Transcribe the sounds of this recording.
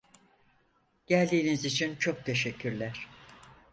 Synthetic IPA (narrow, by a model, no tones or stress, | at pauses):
ɟ̥ælʲd̪iːnizit͡ʃʰint͡ʃʰo̞k̚t̪ʰe̞ʃɛcʰːyɾlʲæɾ̥